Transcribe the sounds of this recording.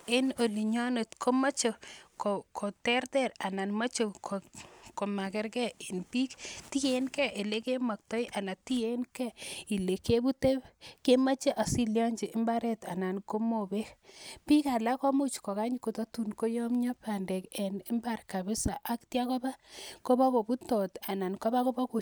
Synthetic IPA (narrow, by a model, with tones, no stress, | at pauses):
e˦no˨li˨ɲɔ˦ne˨tkʰo˦ma˦t͡ʃo˨ko˨kʰo˨tɛ˦rtɛ˦˨ɾa˨na˨nma˦t͡ʃo˨kʰo˨ko˨ma˨kɪ˦ɾkɛ˦i˨npi˦kti˦je˨˦nkɛ˦ʔe˨le˦ke˦mɔ˨k̚tɔ˦jʔa˨na˨ti˦je˦nkɛ˦i˨le˨ke˦bu˦te˦pke˦ma˦t͡ʃe˦ʔa˨si˦ljɔ˦ɲd͡ʒi˨ʔɪ˦mba˦ɾɛ˦ta˨na˨nko˦mo˨be˦pi˦ka˨la˦ko˦mu˦t͡ʃko˨ka˦ɲi˦ko˨to˦tu˨nko˦jɔ˦mɲɔ˦pa˨ndɛ˨kɛ˨nɪ˦mba˨rka˨bɪ˦sa˨ʔa˦ktja˦kɔ˦ba˦ko˦ba˦ko˨bu˦tɔ˨ta˨na˨nko˦ba˦ko˦ba˦ko˨